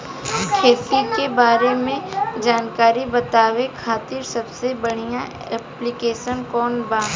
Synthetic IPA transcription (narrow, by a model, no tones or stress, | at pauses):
kʰeːt̪ikebaːɾemẽd͡ʒaːnkaːɾibɐt̪aːʋekʰaːt̪ɪɾsɐbsebɐɽ̤ijã | ɛplɪkeːʃənkɔːnbaː